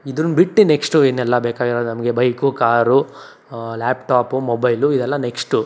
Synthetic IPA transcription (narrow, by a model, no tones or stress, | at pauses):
id̪ɾunbiʈːineksʈueːnɛlːɐbeːkaːɡiɾoːd̪nɐmɐɡe̞bɐjkukaːɾu | laːpʈaːpumobɐjluid̪ɛlːɐneksʈu